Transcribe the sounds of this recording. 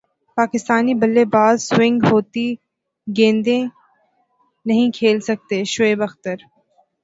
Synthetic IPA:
paːkɪst̪aːnibɐlːebaːd̪swɪ̃ŋɡɦoːt̪i | ɡẽːnd̪ẽ | nɐɦĩkʰeːlsɐk̚t̪eʃʊeːbɐxt̪əɾ

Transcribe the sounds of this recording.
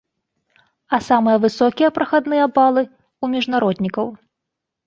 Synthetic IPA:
ɐsamɨjɐvɨsɔkʲijɐpɾɐxad̪nɨjɐbalˠɨ | umʲiʐnaɾɔd̪ʲnʲikɐw

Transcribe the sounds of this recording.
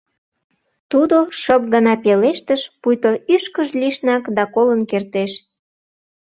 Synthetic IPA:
t̪ud̪oʃəp̚ɣənɑpeleʃt̪əʃpujt̪oʔyʃkəʒliʃnɑkd̪ɑkolənkert̪eʃ

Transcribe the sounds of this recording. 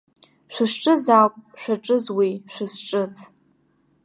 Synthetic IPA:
ʃʷɨʂʈ͡ʂʼɨzawkʷʼʃʷaʈ͡ʂʼɨzwiʃʷɨsʈ͡ʂʼɨz

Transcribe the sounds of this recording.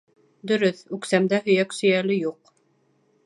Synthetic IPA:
d̪ɵ̆ɾɵθʉksæmd̪æɦɵ̆jæksɵ̆jælɘjuq

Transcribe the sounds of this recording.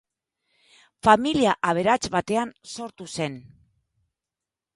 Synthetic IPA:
familiaʔaβ̞e̞ɾat͡sβat̪e̞anso̞ɾt̪use̞n

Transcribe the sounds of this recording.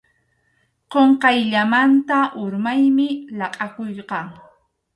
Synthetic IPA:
qoɴqɑjʎamant̪aʔʊɾmajmɪlɑqʼɑkojqɑŋ

